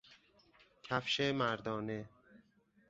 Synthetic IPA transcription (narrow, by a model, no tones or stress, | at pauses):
cʰæfʃemæɾd̪ɒːne